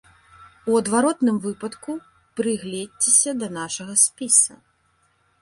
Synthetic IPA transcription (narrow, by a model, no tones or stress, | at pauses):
uɐd̪vaɾɔt̪nɨmvɨpɐt̪ku | pɾɨɣlʲɛdʲt͡sʲesʲɐd̪ɐnaʂɐɣɐsʲpʲisɐ̰